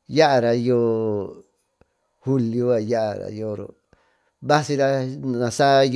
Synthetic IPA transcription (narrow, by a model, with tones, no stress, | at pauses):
ja˦ʔa˨ɾa˧jo˧ | hu˧lju˦a˧ja˦ʔa˨ɾa̰˨˧jo˧ɾo̰˨ | ba˦si˧ɾa˧nã˨sa˦j